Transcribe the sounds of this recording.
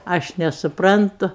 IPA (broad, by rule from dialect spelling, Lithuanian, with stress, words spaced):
ˈɐʃ nʲɛsʊˈprɐntʊ